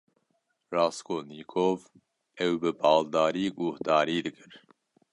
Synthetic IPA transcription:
rɑːskʰoːniːkʰoːv | ɛwbɨbɑːld̪ɑːɾiːɡuhd̪ɑːɾiːd̪ɨkʰɨɾ

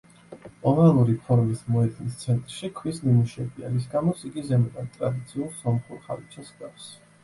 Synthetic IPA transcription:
ɔnalˠuɾipʰɔɾmismɔɛd̪ʼnist̪sʰɛnt̪ʼɾʃikʰwisnimuʃɛbia̰ɾis̬ɡamɔsiɡizɛmɛd̪ant̪ʼɾad̪it̪sʰiulˠsɔmχuɾχa̰lit͡ʃʰɛsɡafs

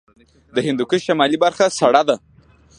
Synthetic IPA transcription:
d̪əhɪnd̪ukuʃamɑlibaɾxasaɽad̪a

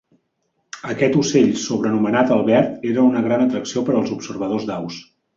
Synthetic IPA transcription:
əkɛt̪useʎsuβɾənumənat̪əlˠβɛrt̪eɾəunəɣɾanət̪ɾəksiopəɾəlˠzupsərβəð̞ozd̪aws

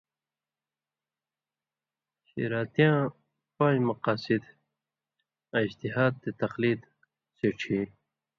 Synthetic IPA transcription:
ɕḭɾaːt̪ijãː | pãːjmɐqaːsid̪ | ãid͡ʑt̪iɦaːd̪̚t̪et̪ɐqliːd̪ | seʈ͡ʂʰi

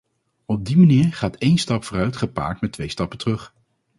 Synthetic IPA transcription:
ɔb̚dimaniːɹχaːtejnstɑpfʊːrœɥtχəpa̰ːɹtmɛtʋejstɑpəntərɵχ

